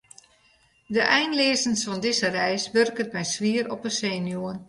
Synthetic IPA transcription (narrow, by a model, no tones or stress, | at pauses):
dəʔɛjnleːzənsfɔndɪzərɛjsʋørkətmɛjsʋiəɾɔpəseːnjuən